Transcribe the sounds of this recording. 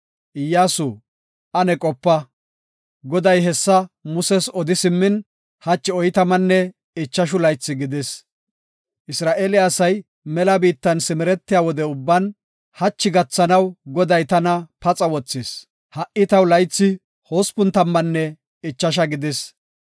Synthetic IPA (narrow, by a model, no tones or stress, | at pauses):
ʔɪjːaːsu | ʔɐnɛkʼɔpːɐ | ɡɔd̪ɐjɦɛsːɐmʊsɛsɔd̪ɪsɪmːɪn | hɐt͡ʃːɪɔjt̪ɐmɐnːɛ | ɪt͡ʃːɐʃ̬ʊlɐjt͡sːɪɡɪd̪ɪs | ʔɪsɾaːʔeːlɪɐsɐj | mɛlɐbiːt̪ːɐnsɪmɪɾɛt̪ːɪjaːwɔd̪ɛʊbːɐn | hɐt͡ʃːɪɡɐt͡sːɐnɐwɡɔd̪ɐjt̪ɐnɐpɐt͡sʼɐwɔt͡sːɪs | hɐʔɪt̪ɐwlɐjt͡sːɪ | hoːspʊnt̪ɐmːɐnːɛ | ɪt͡ʃːɐʃ̬ɐɡɪd̪ɪs